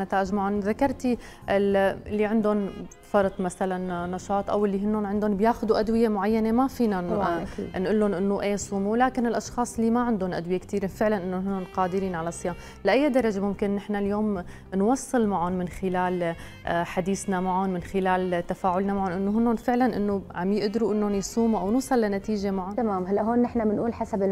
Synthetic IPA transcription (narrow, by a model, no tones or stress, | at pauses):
nat̪aːʔɪʒmaʕʊnðakːɑɾˤt̪iɪɪlːiʕɪnd̪ʊn | fɑɾˤt̪ˤmaθalanːɑʃɑːt̪ˤʔa̰wʔɪlːiɦɪnːʊnʕɪnd̪ʊnbjaːxʊd̪uʔad̪wɪjemʊʕajːanemafiːna | nʔʊlːʊnʔɪnːoʔeːsˤuːmuwlaːkɪnɪlʔɑʃxɑːsˤliːmaʕɪnd̪ʊnʔa̰d̪wɪjekt̪iːɾefɪʕlanʔɪnːonɦɪnːʊnqɑːd̪ɪɾiːnʕalasˤːɨjaːm | laʔajːad̪ɑɾˤɑʒemʊmkɪnːɪħnaljoːm | nwɑsˤːɨlmaʕʊnmɪnxɪlaːl | ħad̪iːsnamaʕʊnmɪnxɪlaːlt̪afaːʕʊlnamaʕʊnʔɪnːoɦɪnːʊnfɪʕlanʔɪ̰nːoʕamjɪʔd̪ɾuʔɪnːonjsˤuːmuʔawnuːsˤɑlːanat̪iːʒemaʕʊnt̪amaːmɦalːaʔɦoːnːɪħnamɪnʔuːlħasabɪ